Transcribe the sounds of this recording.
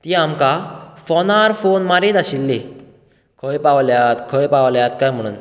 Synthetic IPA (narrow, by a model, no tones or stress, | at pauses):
t̪iamkafɔnaɾfonmaɾet̪aɕilːe | kʰəjpaʋljat̪kʰəjpawljat̪kajm̤əɽ̃ṵːn